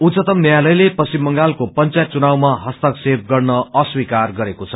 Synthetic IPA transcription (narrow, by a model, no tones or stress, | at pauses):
ut͡sʌt̪ʌmnjjalʌjlepʌsimːʌŋɡalkopʌnt͡sajt̪̚t͡sunawmaɦʌst̪ʌkseb̚ʰɡʌrnʌʌswikarɡʌɾekot͡sʰʌ̥